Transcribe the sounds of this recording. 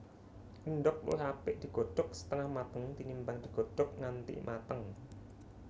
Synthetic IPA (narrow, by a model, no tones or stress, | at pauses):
ʔinɖɔk̚lṵɪɦapɪʔd̪̥i̤ɡ̥o̤ɖ̥ɔk̚sə̥t̪əŋahmat̪əŋt̪inimbaŋd̪̥i̤ɡ̥o̤ɖ̥ɔk̚ŋant̪ḭmʔat̪əŋ